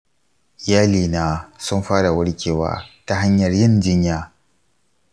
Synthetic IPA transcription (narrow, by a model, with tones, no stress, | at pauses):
jaː˦liː˨naː˦sʊ˦mɸaː˦ɽa˨wɐ˦ɽkʲeː˨wa̰ː˨˦ta˦ɦa˦ɲjɐ˨rjɪ˦nd͡ʒɪ˦ɲjaː˦